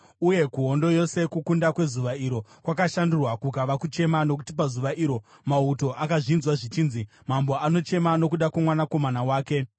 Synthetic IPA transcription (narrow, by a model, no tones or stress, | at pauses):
uje̞kuɦo̞ndo̞jo̞se̞kukundakwe̞zuʋaiɾo̞kwakaʃandurwakukaʋakut͡ʃe̞mano̞k̬utipazuʋaʔiːɾo̞ | mauto̞ʔakaʐinzwaʐit͡ʃiːnzi | mambo̞ano̞t͡ʃe̞mano̞kuɗakwamwanako̞manawaːke̞